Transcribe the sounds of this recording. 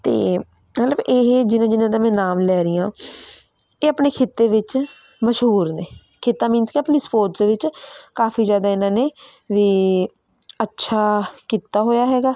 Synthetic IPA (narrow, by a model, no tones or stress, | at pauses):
t̪ḛː | mət̪ləbeɦd͡ʒɪnãːd͡ʒɪnãːd̪ãːmɛ̃ːnaːmlɛːɾɪjãː | eːəpneːkʰɪt̪ːeːʋɪt͡ʃ | məʃɦuːɾneː | kʰɪt̪ːãːmɪnt̪keəpniːspoːɾʈd̪eːʋɪt͡ʃkaːfʰiːzjaːd̪aːɪnãːneːʋiː | ətːʃʰaːkiːt̪aːɦoːjaːɦɛːɡaː